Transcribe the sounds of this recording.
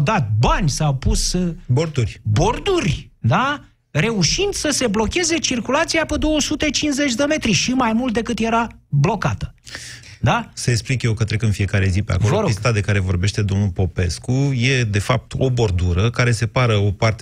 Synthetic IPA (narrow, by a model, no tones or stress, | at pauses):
d̪at̪̚banʲsawpusboɾd̪urʲbo̞rd̪urʲd̪a | re̞uʃind̪səse̞blo̞kʲe̞ze̞t͡ʃirkulat̪sijapəd̪o̞wəsut̪e̞t͡ʃinze̞t͡ʃʲd̪eme̞t̪ɾiʃimajmult̪̚d̪e̞kɨt̪je̞ɾablo̞kat̪ə̥ | d̪asəeksplikjewkət̪ɾekɨnfije̞kaɾe̞zipea̰kovəɾost̪ad̪e̞kaɾe̞vo̞rbe̞ʃt̪e̞d̪o̞mnulpo̞pe̞skuje̞d̪e̞fap̚t̪o̞bo̞rd̪uɾəkaɾe̞se̞paɾəo̞part̪e